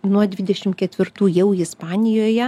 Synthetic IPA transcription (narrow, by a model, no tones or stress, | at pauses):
nuɔd̪ʲʋʲɪd̪ʲɛʃʲɪmkʲɛt̪ʲʋʲɪrt̪uːjɛʊɪspɑːnʲɪjoːjɛ